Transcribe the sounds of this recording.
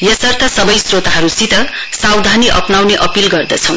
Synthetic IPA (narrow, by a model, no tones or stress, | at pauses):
jʌsʌrt̪ʰʌsʌbʌjsrot̪aɦʌɾusit̪ʌ | sawd̪ʱaniʔʌpnawneʔʌpilɡʌrd̪ʌt͡sʰʌw̃